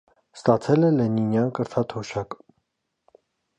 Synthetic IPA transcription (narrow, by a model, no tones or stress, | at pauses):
st̪ɑt͡sʰɛlɛlɛninjɑnkəɾt̪ʰɑt̪ʰɔʃɑk